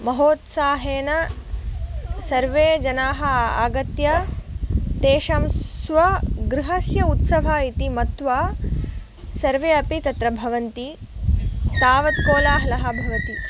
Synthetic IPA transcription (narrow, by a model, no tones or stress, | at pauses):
mɐɦoːt̪saːɦeːnɐ | sɐɾʋeːd͡ʒɐnaːɦɐaːɡɐt̪jɐ | t̪eːʃɐmsʋɐɡɾiɦɐsjɐut̪sɐʋ̤ɐit̪imɐt̪ʋaː | sɐɾʋeːɐpit̪ɐt̪ɾɐbʱɐʋɐnt̪i | t̪aːʋɐt̪̚koːlaːɦɐlɐɦɐ̆bʱɐʋɐt̪i